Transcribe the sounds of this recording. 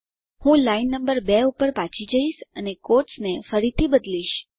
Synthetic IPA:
hũlainːəmbəɾbɛupəɾpãt͡ʃʰid͡ʒəiʃənekoʈsnefəɾit̪ʰibəd̪liʃ

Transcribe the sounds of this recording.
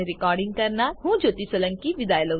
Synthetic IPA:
eɾikaːɾɖiŋɡ̚kɐɾnaɦũːd͡ʒot̪isɐlɐŋkiʋid̪aːjɐlɐ

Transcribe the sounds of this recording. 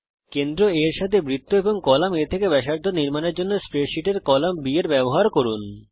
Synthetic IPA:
kend̪ɾoeɾʃat̪ʰebɾit̪ːoeboŋkɔlamet̪ʰekebɛʃaɾd̪ʱoniɾmaneɾd͡ʑonːospɾeɾʃiʈeɾkɔlambieɾbɛboɦaɾkoɾun

